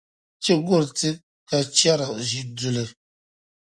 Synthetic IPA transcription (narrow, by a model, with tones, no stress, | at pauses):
t͡ʃi˦ɡo˦˨ɾtɨ˦ | ka˨t͡ʃa˦ɾa˨ʔʒi˨du˨lɨ˨